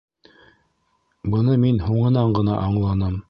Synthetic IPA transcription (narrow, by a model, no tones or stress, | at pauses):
bɤ̆nɤminhuɴɤ̆nɑɴɢɤ̆nɑ̰ʔɑɴlˠɑnɤm